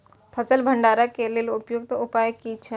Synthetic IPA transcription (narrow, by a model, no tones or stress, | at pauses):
pʰəsəlbʱəɳɖaːɾəkːelilʊpjuɡ̚t̪oʔupaːjəkːit͡ʃʰe